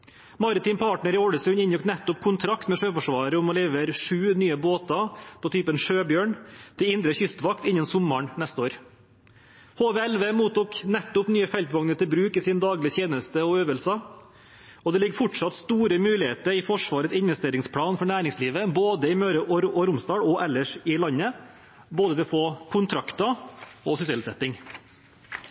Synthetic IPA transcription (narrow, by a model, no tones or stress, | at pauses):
mɑɾət̪ɪːnpʰɑːʈɳəɾɪɔɽəsʉnɪnjʊkt̪nɛt̪ːʊpkʰʊnt̪ʰɾɑkt̪mɛʂøːfɔʂʋɑːɾəʊmɔleːʋəɾʂʉːnyːəboːt̪ɑd̪ɑt̪ʰyːpənʂøːbjøːɳt̪ʰɪlɪnd̪ɾəçʏst̪ʋɑkt̪ɪnːənsʊmːəɳnɛst̪əoːɾ | hoːʋeːɛlʋeːmuːt̪uːknɛt̪ːʊpnyːəfɛlt̪ʋɑŋnət̪ʰɪlbɾʉːkɪsɪnd̪ɑːɡlɪçjeːnəst̪əɔøːʋəlsɑ | ɔd̪ɛlɪɡːfʊʈʂɑt̪st̪uːɾəmʉːlɪheːt̪əɾɪfɔʂʋɑːɾət̪sɪnʋɛst̪eːɾɪŋspʰlɑːnfɔɳæːɾɪŋsliːʋəboːd̪əɪmøːɾəʔɔɾʔɔɾʊmst̪ɑːɽɔʔɛlːəʂɪlɑɲːə | boːd̪əʋɪfoːkʰʊnt̪ʰɾɑkt̪ɑɔsʏsɛlsɛt̪ːɪŋ